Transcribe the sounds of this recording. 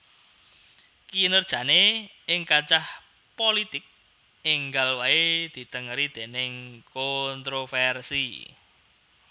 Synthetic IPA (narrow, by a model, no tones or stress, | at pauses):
kinərd̥ʒ̥ä̤ne | ɪŋkat͡ʃah | polit̪ɪk̚ | ɪŋɡalwaed̪̥i̤t̪əŋəɾid̪̥e̤nɪŋkont̪ɾofɛrsi